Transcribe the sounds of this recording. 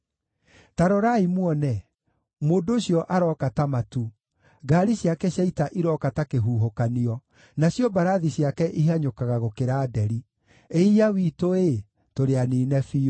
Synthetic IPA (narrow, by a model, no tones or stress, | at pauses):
taɾɔɾaimwɔnɛ | moːndooɕjɔʔaɾɔkatamatu | ɡaːɾiɕjakɛɕjaitaʔiɾɔkatakeɦuːɦokaniɔ | naɕjɔbaɾaðiɕjakɛʔiɦaɲokaɣaɣokeɾaːdɛɾi | eiawiːtoe | toɾeaniːnɛfio